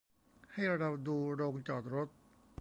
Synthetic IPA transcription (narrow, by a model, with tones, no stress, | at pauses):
ha˥˩jɾa˧da˨˩p̚duː˧ɾoː˧ŋt͡ɕɔː˨˩t̪̚ɾo˦˥t̪̚